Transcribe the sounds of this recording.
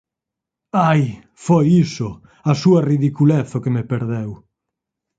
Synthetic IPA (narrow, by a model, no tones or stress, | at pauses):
aj | fojisʊ | asuɐriðikulɛθokemepeɾðɛw